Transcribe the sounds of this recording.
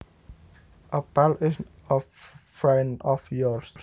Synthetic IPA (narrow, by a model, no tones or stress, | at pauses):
ʔəb̥alɪs | əfɹɛ̃nɔfjɔɹs